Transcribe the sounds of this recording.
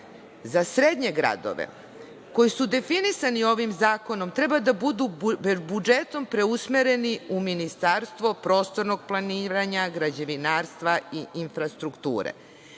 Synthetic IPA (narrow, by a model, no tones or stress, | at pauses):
zasɾed̪ɲe̞ɡɾa̰d̪o̰ʋḛ | ko̞jisud̪e̞finisanio̞ʋimzaːko̞no̞mt̪ɾe̞bad̪abud̪ubud͡ʒet̪o̞mpɾe̞usmeɾe̞niuminist̪aːɾst̪ʋo̞pɾo̞ːst̪o̞ɾno̞ɡ̚plˠaniːɾaɲaɡɾad͡ʑeʋinaːɾst̪ʋaiinfɾast̪ɾukt̪ṵːɾḛ